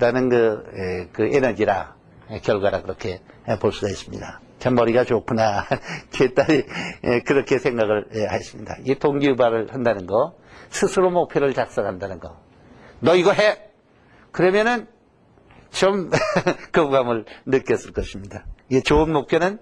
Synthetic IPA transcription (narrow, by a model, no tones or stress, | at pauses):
danɯnkɯekɯʔenʌd͡ʑiɾa | ekjʌɭɡwaɾakɯɾʌkʰe̞poɭs͈uɡais͈ɯmɲḭda | t͡ɕamːʌɾiɡat͡ɕokʰunat͡ɕet͈aɾiekɯɾʌkʰe̞sʰe̞ŋɡaɡɯɭehajes͈ɯmɲida̰itoŋɡiubaɾɯɭhandanɯnɡʌ | sʰɯsʰɯɾomok̚pʰjʌɾɯɭt͡ɕak̚s͈ʌŋɦandanɯnɡʌ | nʌiɡʌɦe | kɯɾʌmjʌnɯn | t͡ɕʌmkɯbɡamɯɭnɯk͈jʌs͈ɯɭk͈ʌɕʰimɲidaet͡ɕoɯnmok̚pʰjonɯn